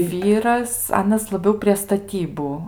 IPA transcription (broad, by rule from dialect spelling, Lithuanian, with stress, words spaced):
ˈʋʲiːrɐs ˈɑːnɐs lˠɐˈbʲɛʊ pʲrʲiɛ stɐˈtʲiːbʊ